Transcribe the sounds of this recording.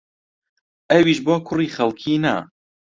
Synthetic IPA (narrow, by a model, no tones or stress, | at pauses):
ʔɐwiːʃboːkʰʊriːxɐlkʰiːnɐ̰